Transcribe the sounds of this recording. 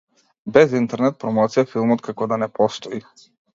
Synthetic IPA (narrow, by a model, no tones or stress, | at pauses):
bɛzint̪ɛɾnɛt̪̚pɾɔmɔt̪sijafilˠmɔt̪kakɔd̪anɛpʰɔst̪ɔi